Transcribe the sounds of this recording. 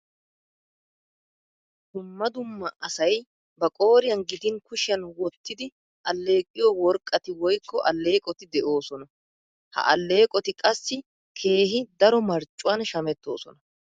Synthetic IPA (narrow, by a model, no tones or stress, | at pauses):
d̪̥ʊmːɐd̪ʊmːɐɐsɐj | bɐkʼo̞ːɾɪjɐnɡɪd̪ɪnkʊʃɪjɐnwɔt̪ːɪd̪ɪ | ʔɐlːe̞ːkʼːɪjɔwɔɾkʼːɐt̪ɪwɔjkːɔʔɐlːe̞ːkʼɔt̪ɪd̪ɛʔo̞ːsɔnɐ | hɐ̰ʔɐlːe̞ːkʼɔt̪ɪkʼɐsːɪ | kʰe̞ːɦɪd̪ɐɾɔmɐɾt͡ʃʼːʊwɐnʃɐmɛt̪ːo̞̰ːsɔnɐ